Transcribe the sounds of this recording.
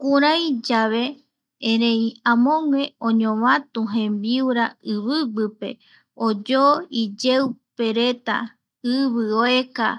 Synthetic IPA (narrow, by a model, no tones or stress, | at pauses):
kuɾãjd͡ʒaβe̞ | ẽɾẽ̞jãmõ̞ŋʷe̞õɲõʋãt̪uɦẽ̞mbiwɾaɨβɨbɨpe̞̰ | od͡ʒoid͡ʒewpe̞ɾe̞t̪a̰ | ɨβɨoe̞ka̰